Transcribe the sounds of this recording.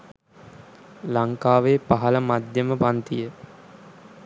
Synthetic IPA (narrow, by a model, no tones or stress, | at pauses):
laŋkaːʋeːpaɦɐləmad̪jəməpant̪ijə